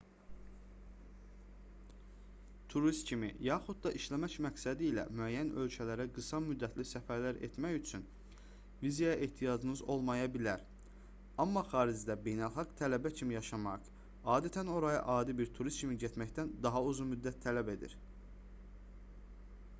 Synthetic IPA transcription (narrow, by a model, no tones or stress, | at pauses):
t̪ʰuɾist̪cʰimḭjɑːχud̪̚d̪ɑʔiʃlæmæcmæksæd̪iːlæ̰myæjːænø̞lcʰælæɾæɡɯsɑmyd̪ːæt̪ʰlisæfæɾlæɾet̪mæçyt͡ʃʰyn | vizjjaʔeht̪ʰijɑd͡ʒɯnɯzo̞lˠmɑjɑbilæɾ | ɑmːɑχɑːɾid͡ʒd̪æbe̞jnælˠχɑɡt̪ʰælæbæcʰimijɑʃɑmɑq | ɑːd̪æt̪ʰæno̞ɾɑjɑ̰ʔɑːd̪ibiɾt̪ʰuɾist̪cʰimiɟet̪mæçt̪ænd̪ɑɦɑuzunmyd̪ːæt̪ʰːælæbe̞d̪ḭɾ